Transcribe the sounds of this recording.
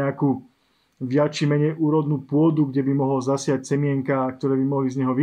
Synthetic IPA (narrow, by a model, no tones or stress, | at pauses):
ɛakuː | ʋjat͡ʃimɛɲɛjʔuːɾɔd̪nuːpʊɔd̪uɡɟɛbimɔɦlazasɪact͡sɛmɪɛŋkak̚t̪ɔɾɛːbimɔɦlizɲɛɦɔʋi